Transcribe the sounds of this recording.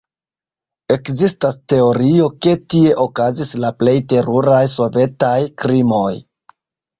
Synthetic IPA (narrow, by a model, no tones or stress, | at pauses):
e̞kzistaste̞o̞ɾio̞ke̞tie̞ʔo̞kazislaple̞jte̞ɾuɾajs̬o̞ve̞tajkɾimo̞j